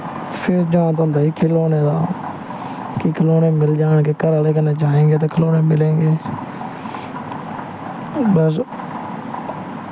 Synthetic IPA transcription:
t̪ːpʰɪɾd͡ʒaãːt̪ːʊnd̪aːiːkʰɪloːneːd̪aː | kikʰəloːneːmɪld͡ʒaːɳkeːkəɾaleːkəneːd͡ʒaːẽːɡeːt̪̬eːkʰəloːneːmɪlẽːŋɡeː | bəs̬

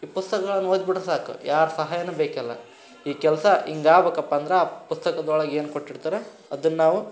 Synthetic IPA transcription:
iːpust̪ɐkɐɡɐɭɐnːoːd̪biʈɾusaːkṵjaːɾsɐɦaːjɐnebeːkɛlːɐ̰ | iːkɛlsɐʔiŋɡaːbeːkɐpːaːnd̪ɐɾeaːpust̪ɐkɐd̪ɔɭɐɡeːnukoʈːiɽt̪iːɾe | ɐd̪ɐnːnaːʋu

